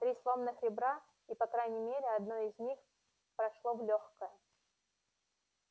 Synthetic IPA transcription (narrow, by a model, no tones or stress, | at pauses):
t̪ɾʲislˠo̞mnɨxɾʲɪbɾa | ipɐkɾajnʲɪmʲeɾʲɪɐd̪noɪzʲnʲix | pɾɐʂlˠovlʲoxkəjə